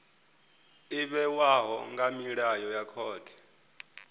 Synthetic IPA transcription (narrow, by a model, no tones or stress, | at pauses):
iɓɛwaɦɔ̰ŋɡamiɺajɔjakʰɔːtʰi̥